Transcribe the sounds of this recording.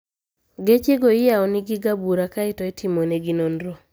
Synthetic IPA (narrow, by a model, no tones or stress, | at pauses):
ɡet͡ʃeɡoɪjaɔnɪɡɪɡabuɾakaɪtɔɛtʰimoneɡɪnondɾo